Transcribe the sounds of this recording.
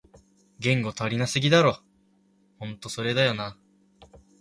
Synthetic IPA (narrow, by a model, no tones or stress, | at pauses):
ɡẽ̞ŋɡo̞t̪oɾʲinasɨɡʲid̪aɾo̞ | hõ̞nt̪o̞so̞ɾe̞d̪ajo̞na